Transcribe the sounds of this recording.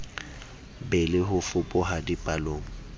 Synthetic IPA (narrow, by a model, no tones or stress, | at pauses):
bɛlɪɦʊfʊpʼʊɦadipʼaloːŋ̩